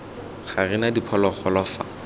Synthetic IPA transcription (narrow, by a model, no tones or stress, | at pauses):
χarɪnadipʰɔlɔχɔlɔfa̰